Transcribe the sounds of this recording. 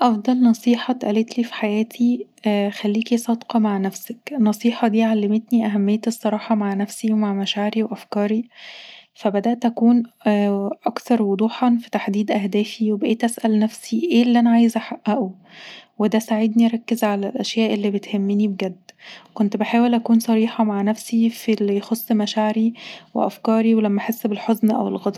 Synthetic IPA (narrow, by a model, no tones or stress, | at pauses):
ʔɑfd̪ˤɑlnɑsˤiːħɑt̪ʔælet̪liːfi̥ħajæːt̪ʰixælːiːkisˤɑːd̪qɑmaʕnæfsæknːɑsˤiːħɑd̪iːʕalːemet̪niʔæɦæmːejːæt̪esˤːɑɾˤɑːħɑmaʕnæfsiwemaʕmæʃaːʕɾiwʔæfkɑːɾi | fæbæd̪æʔt̪ʔækuːn | ʔɑkt̪ɑɾˤwod̪ˤuːħɑnfi̥t̪aħd̪iːd̪ʔæhd̪æːfiwebeʔeːt̪ʔæsʔælnæfsiʔeːlːʔænæʕaːjezʔaħaʔːæʔu | wed̪æsaʕed̪niɾˤɑkːezʕalælʔæʃjæːʔelːibet̪hemːenibeɡæd̪ːkont̪beħaːwelʔækuːnsˤɑɾiːħɑmaʕnæfsifilːijxosˤːmæʃaʕɾiwḛʔæ̰fkɑːɾiwelæmːæʔħesːbelħoznʔæ̰welɣɑd̪ˤ